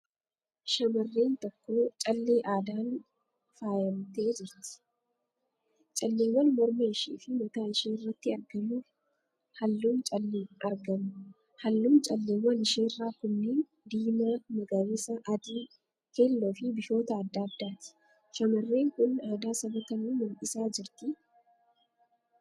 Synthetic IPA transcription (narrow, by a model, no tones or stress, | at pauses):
ʃɐmɐrːe̞ːnt̪ɔkːo̞ːt͡ʃʼɐlːe̞ːʔaːd̪aːn | faːjɐmt̪e̞ːd͡ʒɪɾt̪ɪ̥ | t͡ʃʼɐlːeːwːɐnmɔɾmeːɪʃiːfɪmɔt̪aːɪʃiːnɪrːɐt̪ːɪɐɾɡɐmuː | hɐlːuːmt͡ʃʼɐlːeːnɐɾɡɐmʊ | hɐlːuːmt͡ʃʼɐlːeːwɐnɪʃeːɪrːaːkʊnːeːn | d̪iːmamɐɡɐwesɐʔɐd̪iː | keːlːɔfɪbɪʃo̞ːt̪ɐːd̪ːaːd̪ːaːt̪ɪ̥ | ʃɐmɐrːeːŋkʊnaːd̪aːsɐbɐt̪ɐnuːmʊlʔɪsaːd͡ʒɪɾt̪ɪ